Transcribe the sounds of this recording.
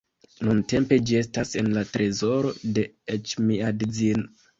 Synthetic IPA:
nunte̞mpe̞d͡ʒie̞stase̞nlatɾe̞zo̞ɾo̞de̞et͡ʃmiadd͡zino

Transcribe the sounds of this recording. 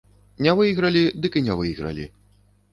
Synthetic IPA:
nʲɛvɨjɣɾɐlʲid̪ɨkɨnʲɛvɨjɣɾɐ̰lʲḭ

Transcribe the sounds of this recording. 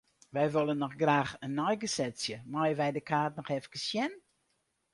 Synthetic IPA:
ʋɛjʋolˠənːɔxɡraːxənːɔjɡəsɛsjəmɔjəʋɛjdəkʰaːtnɔxɛfkəsjɛn

